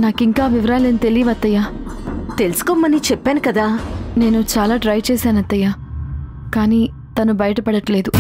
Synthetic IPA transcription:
naːkiŋkaːʋiʋɾaːlenit̪elijɐʋɐt̪ːɐjaːt̪elusu̥koːmːɐnit͡ʃɛpːaːnukɐd̪aːne̞ːnut͡ʃaːlaːʈɾɐjt͡ʃɛːsaːnɐt̪ːɐjaː | kaːniː | t̪ɐnubɐjɐʈɐpɐɽɐʈle̞ːd̪u

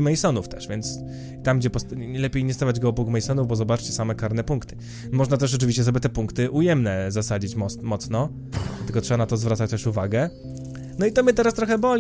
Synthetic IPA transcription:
mɛjsɔnuft̪ɛʂvʲjɛnt̪s | t̪amɡd͡ʑɛpɔst̪ɲɛlɛpʲjejinʲɛst̪avad͡ʑɡɔɔbukmɛjsɔnuvbɔzɔbat͡ʂt͡ɕɛ̥samɛkaɾnɛpuŋkt̪ɘ̥ | mɔʐnat̪ɛʂ̬ɔt͡ʂ̬ɨvʲiɕt͡ɕɛs̬ɔbʲjɛt̪ɛpuŋkt̪ɘʔujɛmnɛzasad͡ʑit͡ɕmɔmɔt̪snɔ | t̪ɘlkɔtʂɛbanat̪ɔzvɾat̪sat͡ɕt̪ɛʂuvaɡɛ | nɔit̪ɔmɘt̪ɛɾast̪ɾɔxɛbɔlʲ

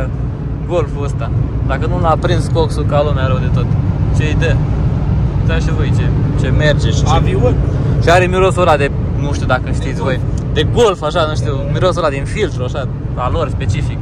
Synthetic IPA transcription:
ɡo̞lfuəst̪ad̪akənulapɾinskoksukalumaɾəwd̪e̞t̪ot̪t͡ʃejd̪ə | t̪aʃivojt͡ʃet͡ʃe̞me̞rd͡ʒeʃavioʃiaɾemiɾosuɾlad̪e̞ | nuʃt̪iud̪akəʃt̪it̪sʲvo̞jd̪e̞ɡo̞lfaʃanuʃt̪iumiɾosulad̪infilt̪ɾuaʃa | valo̞rʲspe̞t͡ʃifik

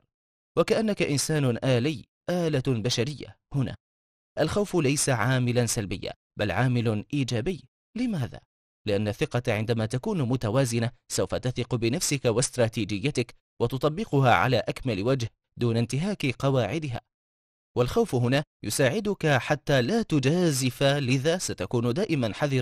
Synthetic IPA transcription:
wakaʔanːakaʔɪnsaːnʔaːlɪː | ʔaːlabaʃaɾɪjːa̰ | hʊna̰ː | ʔalxawfʊlajsaʕaːmɪlansalbɪjːa̰ː | balʕaːmɪlʔiːd͡ʒaːbɪjː | lɪmaːða̰ː | lɪʔanːaθɪqɑʕɪ̰nd̪amaːt̪akuːnmʊt̪awaːzɪnasawfat̪aθiqʊbɪnafsɪkawast̪ɾˤɑːt̪iːd͡ʒɪjːat̪ɪk | wɑt̪ʊt̪ˤɑbːɪqʊha̰ːʕa̰laːʔakmalwad͡ʒh | d̪uːnant̪ɪɦaːkɪqɑwaːʕɪd̪ɪɦa̰ː | walxawfɦʊnaːjʊsaːʕɪd̪ʊkaħat̪ːaːlaːt̪ʊd͡ʒaːzɪfalɪðaːsat̪akuːnʊd̪aːʔɪmanħaðɪɾ

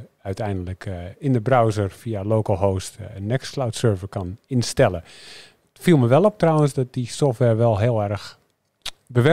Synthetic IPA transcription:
œɥtɛjndələkʰɪndəbrawzərfialoːkəlˠɦoːstənːɛksklawtsøːɹvərkɑnɪnstɛlˠə | tfilˠməʋɛlˠɔp̚trawənsdɔt̚disɔftʋɛɹʋɛlˠɦɪəlˠɛrx | bəʋɛ

